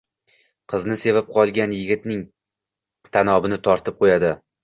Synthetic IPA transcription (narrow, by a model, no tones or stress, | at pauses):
qʰɨznɪse̞vap̚qʰɒlˠɡʲanjɪɡʲɪt̪nɪŋ | t̪ʰanɒbɪnɪt̪ʰɒɾt̪ɪp̚qʰojad̪ɪ